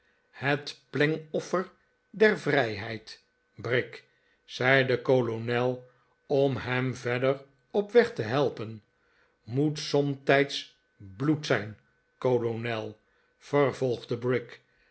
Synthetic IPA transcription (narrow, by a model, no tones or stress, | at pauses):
hətplɪŋɔfər | dɛrvrɛjɦɛjt | brɪk | sɛjdəkolonɛlˠ | ɔmɦɛmvɛdər | ɔpʋɛχtəɦɛlˠpən | mutsɔmtɛjts | blutsɛjn | kolonɛlˠ | v̥ərvɔlˠχdəbrɪk